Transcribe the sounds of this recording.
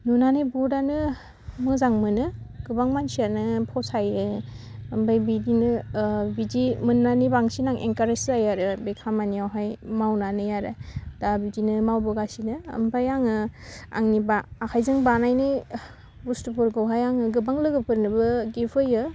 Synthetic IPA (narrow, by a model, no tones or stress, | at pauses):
nunanɯbudanɯ | mɯzaŋmɯnɯɡ̥ɯbaŋmansianɯpʰɔsajɯː | mbajbidinɯbidimɯnːanibaŋsinaŋʔḛŋkaɾeszajaɾɯbekʰamanijawɦajmawnanɯjaɾadabidinɯmawbɯɡasinɯ̰ːmbajaŋɯa̰ŋnibaːkʰajzɯŋbanajni | bustupʰuɾɡawɦajaŋɯɡɯbaŋlɯɡɯpʰɯɾnɯbɯɡipʰɯjɯ